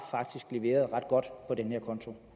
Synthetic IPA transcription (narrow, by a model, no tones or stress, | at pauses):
fɑ̈ɡ̥̚d̥isɡ̥le̝ʋe̝̰ːɐð̞ˠʁɑ̈d̥ɡ̥ɒ̽d̥pʰɒ̽d̥enəheɐkʰɒ̽nt͡sʰo̝